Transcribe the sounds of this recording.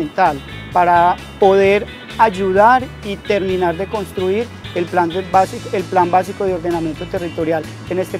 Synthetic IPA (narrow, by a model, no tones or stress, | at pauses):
ent̪al | paɾa | po̞ðe̞ɾ | ad͡ʒuðaɾ | it̪e̞ɾmĩnaɾd̪e̞ko̞nst̪ɾuiɾelpland̪ebasielplanmbasiko̞ðeo̞ɾd̪e̞namje̞nt̪ot̪e̞rit̪o̞ɾjal | e̞ne̞st̪e